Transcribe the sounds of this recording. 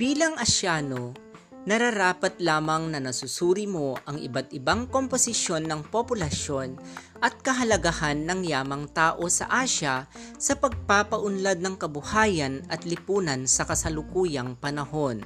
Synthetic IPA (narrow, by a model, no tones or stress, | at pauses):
b̥iːlɐŋʔɐʃjaːno̞ | nɐɾɐɾaːpɐt̪laːmɐŋnɐnɐsʊsuːɾɪmo̞ʔɐŋʔɪ̰bat̪ɪbaŋkomposɪʃjo̞nːɐŋpopʊlɐʃjo̞n | ʔɐt̪̚kɐɦɐlɐɡɐhanːɐŋjaːmɐŋt̪aːʔo̞sɐ̰ʔaːʃɐsɐpɐɡ̚paːpɐʔʊnlad̪̚nɐŋkɐbʊhaːjɐnɐt̪lɪpuːnɐnsɐkɐsɐlʊkuːjɐŋpɐnɐho̞n